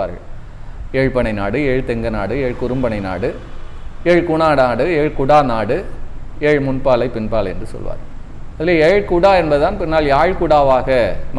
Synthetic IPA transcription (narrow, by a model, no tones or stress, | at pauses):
aːɾɣɐ̰ɭ | eːɻpɐɳɐɪnaːɽɯeːɻt̪ɛŋɡɐnaːɽɯeːɻkʊɾɯmbɐɳɐɪna̰ːɽɯ | eːɻkʊɳaːnaːɽɯeːɻkʊɽaːnaːɽɯ | eːɻmʊnpaːlɐɪpɪnpaːlɛndrɯsɔ̰lʋa̰ːɾɣɐɭ | ɐðɪleːɛːɻkʊɽaːɛnbɐðɯt̪aːnpɪnːaːljaːɻkʊɽaːʋaːɣɐm